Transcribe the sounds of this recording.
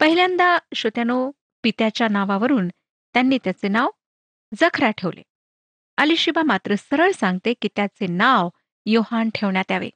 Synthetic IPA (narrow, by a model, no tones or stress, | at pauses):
pəɦiljand̪aɕot̪jano | pit̪jat͡ɕjanaʋaʋəɾuːn | t̪janːiːt̪jat͡senaʋ | d͡zəkʰɾaʈʰeʋlḛ | əliɕibamat̪ɾəsəɾəɭsãŋɡ̚t̪ekit̪jat͡senaʋ | johanʈʰeʋɳjat̪jaʋḛ